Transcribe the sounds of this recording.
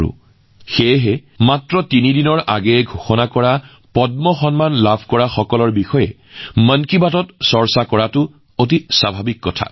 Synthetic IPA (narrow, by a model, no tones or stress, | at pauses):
ʊ̰ | xɛjɦɛmatɹɔtinidinɔɹʔa̰ɡɛɡʱoxɔnakɔɹa | pɔdmɔxɔnmanlabʱkɔɹaxɔkɔlɔɹbixɔjɛ | mənkibatɔtsɔɹsakɔɹatʊ | ot̬isabʱabikːɔtʰa̰